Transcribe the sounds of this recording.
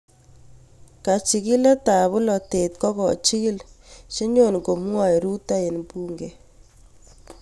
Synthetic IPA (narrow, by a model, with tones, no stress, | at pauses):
ka˨t͡ʃi˨ki˦la˦ta˨βʊ˦lɔ˨te˨t̚kɔ˦kɔ̰˨t͡ʃi˦ki˦lʃi˦ɲo˦˨nko˨mwa˦˨i˨ɾu˦ta˦e˨nbu˦ŋɡe˨